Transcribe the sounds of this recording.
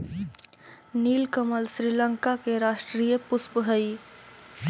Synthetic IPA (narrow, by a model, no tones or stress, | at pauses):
niːlkəməlsɾiːlə̃ŋkakeɾaːʃʈɾiːjəpʊspəɦəi